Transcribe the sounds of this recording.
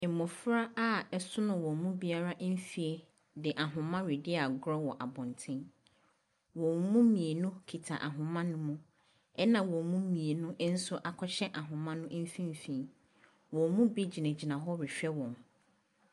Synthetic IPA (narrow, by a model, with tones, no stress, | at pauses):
ɪ˨mːʊ̃˨fɾa˦a˦ɛ˦sʊ˦nʊ̃˨wɔ̃˨mũ˦bi˦a˦ɾa˦ʔ̩˦fi˦e˦ | dɪ˨ʔa˨ɦʊ̃˨mã˦ɾi˨dɪ˦a˨ɡɾɔ˦wɔ˨ʔa˨bɔ̃˨ntʰɪ̃˦n | wɔ̃˨mũ˦mĩ˨e˨nʊ̃˦kʰi˨tʰa̰˨ʔa̰˨ɦʊ̃˨mã˦nʊ̃˦mʊ̃˦ | ɛ˦nã˨wɔ̃˨mũ˦mĩ˨e˨nʊ̃˦ʔn̩˦sʊ˦ʔa˨kʰɔ˦ɕɛ˦ʔa˨ɦʊ̃˨mã˦nʊ̃˦ʔm̩˦fĩ˦m˨fĩ˨˦ | wɔ̃˨mũ˦bi˦d͡ʑi˨nã˨d͡ʑi˨nã˨ɦɔ˦ɾɪ˨ɕᶣɛ˦wɔ̃˨m